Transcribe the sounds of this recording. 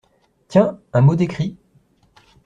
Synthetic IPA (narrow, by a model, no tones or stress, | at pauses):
t̪jɛ̃ɛ̃mod̪ekχi